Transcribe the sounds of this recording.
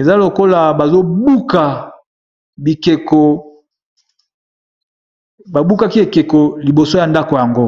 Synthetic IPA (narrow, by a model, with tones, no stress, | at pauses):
e˨za˦lo˨ko˦la˨ba˨zo˦bu˦ka˨ | bi˨ke˨ko˨ | ba˨bu˦ka˦ki˦e˨ke˨ko˨li˨bo˨so˦ja˨nda˦ko˨ja˨ŋɡo˦